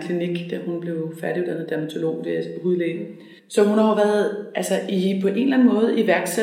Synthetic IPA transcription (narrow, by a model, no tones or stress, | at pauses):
kʰliniɡ̥d̥æhunb̥le̝ʊfæɐɾiod̥ænð̩ˠd̥æɐmæt͡sʰo̝lo̝̰ːd̥eɐhuðˠle̥ːn̩ | sɒ̽hunhɑ̈ʊʋæːɐðˠʔælsɐipʰɒ̽ʔe̝nlæn̩mɔ̽ːð̞̩ˠiʋæɐɡ̥sæ